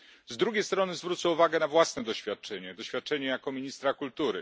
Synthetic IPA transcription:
zd̪ɾuɡʲejst̪ɾɔnɘzvɾut̪sɛuvaɡɛnavwasnɛd̪ɔɕfʲjat̪̚t͡ʂɛɲɛd̪ɔɕfʲjat̪̚t͡ʂɛɲɛjakɔmʲiɲist̪ɾakult̪uɾɘ

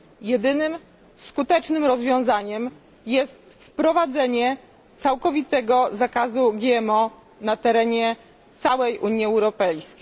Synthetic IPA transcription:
jɛd̪ɘnɘm | skut̪ɛt͡ʂnɘmɾɔzvʲjɔ̃w̃zaɲɛm | jɛst̪ | fpɾɔvad̪zɛɲɛ | t̪sawkɔvʲit̪ɛɡɔzakazuɡʲjɛɛmɔ | nat̪ɛɾɛɲɛ | t̪sawɛjʔuɲjiɛwɾɔpɛjskʲej

